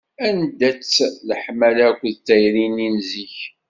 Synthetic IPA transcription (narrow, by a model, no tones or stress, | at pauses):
ænd̪æt͡sːləħmælækʷːðt̪æjɾininziç